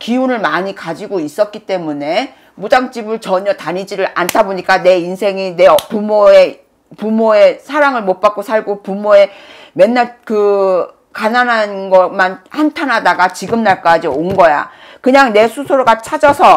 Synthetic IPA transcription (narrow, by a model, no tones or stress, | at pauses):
kiunɯɭmaɲikad͡ʑiɡois͈ʌt̚k͈it͈e̞mune̞ | mud͡ʑaŋt͡ɕ͈ibɯɭt͡ɕʌɲʌtaɲid͡ʑiɾɯɾa̰ntʰaboɲik͈ane̞insʰe̞ŋine̞pumoe | pumoe̞sʰaɾaŋɯɭmot̚p͈ak͈osʰaɭɡopumoe̞me̞nːaɭkɯ | kananɦanɡʌmanhantʰanɦadaɡat͡ɕiɡɯmnaɭk͈ad͡ʑionɡʌja̰ | kɯɲaŋne̞sʰusʰoɾɡat͡ɕʰad͡ʑʌsʰʌ